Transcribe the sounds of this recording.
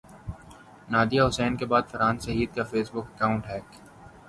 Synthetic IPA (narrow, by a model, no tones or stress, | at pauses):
naːd̪ijaɦʊsɛːnkebaːd̪fɐɾãːnsɐɦiːd̪̚kafeːsbʊkɐkaːʊ̃ɳʈɦɛːk